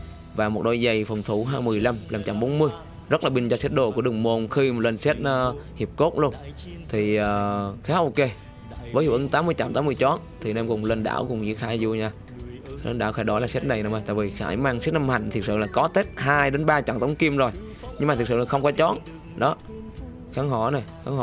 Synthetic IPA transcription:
vaː˨˩mo˨˩t̚ɗo˧˦jzə˨˩jfə˨˩ŋ͡mt̪ʰu˧˩ɦaː˧mɨ˨˩əjla˧mlaː˨˩mt͡ɕa̰˧˩mɓo˨˦nmɨ˧əj | zə˦˥laː˨˩ɓi˧ŋ̟t͡ɕɔ˧sɛ˦˥t̚ɗo˨˧˩ku˧˥əɗɨ˨˩əŋmo˨˩nxi˧mo˨˩t̚le˧nsɛ˦˥t̚ʔəː˨˧hi˨˩əp̚ko˦˥t̚lu˧ən | t̪ʰi˨˩əː˨˩xaː˨˦ʔo˧ke˧ | vəː˨˦jzu˧˩ʔɨ˨˦ŋt̪aː˨˦mɨ˧əjt͡ɕa̰˧˩mt̪aː˨˦mɨ˧əjt͡ɕɔ˨˦˥nt̪ʰi˨˩nɛ˧mkʊ˨˩ŋ͡mle˧nɗa̰ː˧˩˨wkʊ˨˩ŋ͡mɲḭ˧˥əxaː˧˩˦jzu˧˩ɲaː˧˦ | lə˧nɗaː˧˩wxaː˧˩jɗɔ˨˦laː˨˩sɛ˦˥t̚na˨˩jnə˨˦ŋ͡ma˨˩t̪a̰ː˧˨vi˨˩xa̰ː˧˩jmaː˧ŋsɛ˦˥t̚na˧mha˨˩jŋ̟t̪ʰi˨˩ək̚sɨ̰˧˨laː˨˩kɔ˨˦t̪e˦˥t̚ɦaː˧jɗe˨˦nɓaː˧t͡ɕa̰˧˩ŋt̪ə˨˦wŋ͡mki˧əmzo˨˩j | ɲɨ˧ŋmaː˨˩˨sɨ̰˧˨na˨˩xə˧wŋ͡mkɔ˨˦t͡ɕɔ˨˦˥n | ɗɔ˨˦ | xaː˨˦ŋɦɔ˧˩na˨˩jxaː˨˦ŋhɔ˧

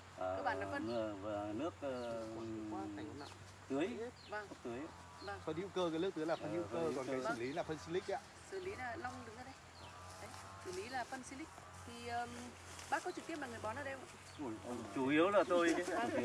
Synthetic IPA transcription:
aː˨˦˥k̚ɓaː˧˨la˨˦fə˧n˨mɨ˨˩əvaː˨˩nɨ˦˥ək̚ːwaː˧a˨˧jŋhna̰ː˧˨ | t̪ɨ˨˦əj | və˨˩ŋ˦t̪ɨ˨˦əj | va˨˩ŋfə˧nʔḭ˧ə˥wkəː˧kaː˨˦nɨ˦˥k̚t̪ɨ˨˦jla˨˩fə˧nʔi˧˦ə˥wkəː˧˦kɔ˨˩nkaː˨˦sɨ˧˩li˨˦laː˨˩fə˧nsi˧lï˦˥k̟̚ʔa̰ː˧ | sɨ˧˩li˨˦laː˨˩la˧wŋ͡mɗɨ˨˦ŋaː˧˦ɗə˧j | ɗə˨˦j | sɨ̰˧˩li˨˦laː˨˩fə˧nsi˧lï˦˥k̚ | t̪ʰi˨˩ʔəː˨˩m | ɓaː˦˥kɔ˨˦t͡ɕɨ˨˩k̪̚i˦˥əpmaː˨˩ŋɨ˨˩ə˩jɓɔ˨˦naː˨˧˦ɗe˧wm˧˨˧ | t͡ɕu˧˩ʔi˨˦əwzaː˨˩t̪o˧j

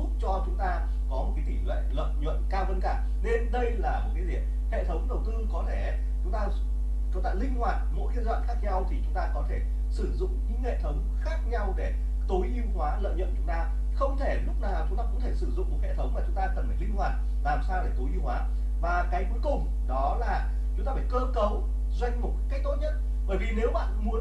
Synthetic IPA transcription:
ʊ˦˥k͡p̚t͡ɕɔ˧t͡ɕʊ˨˦ŋ͡mt̪aː˧ | kɔ˨˦mo˨˩t̚kaː˨˦t̪i˧˩lwḛ˧˨lə̰˧˨jɲwə̰˧˨nkaː˧və˨˧nkaː˧˩ | ne˧nɗə˧jlaː˨˩m˨˩t̚ka˨˦zi˨˩əp̚ | hḛ˧˨t̪ʰə˨˦wŋ͡mɗə˨˩wt̪ɨ˧kɔ˨˦t̪ʰe˧˩ | t͡ɕʊ˨˦ŋ͡mt̪aː˧ | t͡ɕt̪a̰ː˧˩lï˧ŋ̟hwaː˨˩t̚mo̰˧˥jxi˧˥ət̚zwa̰ː˧˨nxaː˦˥k̚ɲa˧wt̪ʰi˨˩t͡ɕʊ˨˦ŋ͡mt̪aː˧kɔ˨˦t̪ʰe˧˩ | sɨ˧˩zʊ̰˧˨ŋ͡mɲɨ̰˧˥ŋhḛ˧˨t̪ʰə˨˦wŋ͡mxaː˦˥k̚ɲa˧wɗe˧˩ | t̪o˨˦jʔi˧wkwaː˨˦lə̰ː˧˨jɲə̰˧˨nt͡ɕʊ˨˦ŋ͡mt̪aː˧ | xə˧wŋ͡mt̪ʰe˧˩lʊ˦˥k͡p̚naː˨˩t͡ɕʊ˨˦ŋ͡mt̪aː˧kʊ̰˧˥ŋ͡mt̪ʰe˧˩sɨ˧˩zʊ̰˧˨ŋ͡mku˨˩hḛ˧˨t̪ʰə˨˦wŋ͡mma˨˩t͡ɕʊ˨˦ŋ͡mt̪aː˧t̪ə˨˩mə˨˩nlï˧ŋ̟hwaː˨˩t̚ | laː˨˩msaː˧wɗe˧˩t̪o˨˦jʔi˧wkwaː˨˦ | vaː˨˩kaː˨˦jku˨˦əjkʊ˨˩ŋ͡m | ɗɔ˨˦laː˨˩ | t͡ɕʊ˨˦ŋ͡mt̪aː˧˩faː˧˩jkəː˧kə˨˦w | zwa˧jŋ̟m˨˩t̚kkaː˦˥jk̚t̪o˦˥t̚ɲə˦˥t̚ | ɓəː˧˩jvi˨˩ne˨˧˦wɓa̰ː˧˨nmu˨˦ə

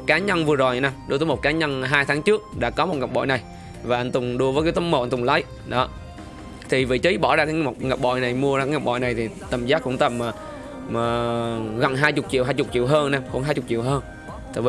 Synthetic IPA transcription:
t̚kaː˨˦ɲə˧nvɨ˨˩əzo˨˩jna˧˩ɗu˧˩t̪əː˨˦jmo˨˩t̚kaː˨˦ɲə˧nɦaː˧jt̪ʰaː˨˦ŋt͡ɕɨ˦˥ək̚ɗa̰ː˧˥kɔ˨˦mo˨˩t̚ŋa˨˩k͡p̚ɓɔ̰˧˨jna˨˩j | vaː˨˩ʔa˧ŋ̟t̪ʊ˨˩ŋ͡mɗu˧əvə˨˦k̬aː˨˦jt̪ə˨˦mo˨˩ʔa˧nt̪ʊ˨˩ŋ͡mlə˨˦j | ɗɔ˨˦ | t̪ʰi˨˩vḭ˧˨t͡ɕi˨˦jɓɔ˧˩zaː˧kaː˨˦a˨˩k͡p̚ŋa˨˩k͡p̚ɓɔ̰˧˨jna˨˩jmu˧əzaː˧aː˨˦ŋa˨˩k͡p̚ɓ̰jna˨˩jt̪ʰi˨˩t̪ə˨˩mzaː˦˥t̚kʊ̰˧˥ŋ͡mt̪ə˨˩mː˨˩ | əː˨˩ɣə̰˨˧˨nɦaː˧jt͡ɕʊ˨˩k͡p̚t͡ɕḭ˧˨wɦaː˧jt͡ɕʊ˨˩k͡p̚t͡ɕḭ˧˨əwɦəː˧nna˧˩xṵ˧˦nɦaː˧jt͡ɕʊ˨˩k͡p̚t͡ɕḭ˧˨əwɦəː˧n | t̪ə̰˨˩v

